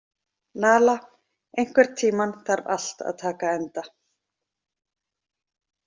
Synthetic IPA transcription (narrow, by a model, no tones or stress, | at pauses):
naːla | ejŋ̥kvɛɾ̥t̪ʰiːmanθaɾva̰l̥t̪a̰ðt̪ʰaːkaɛnt̪a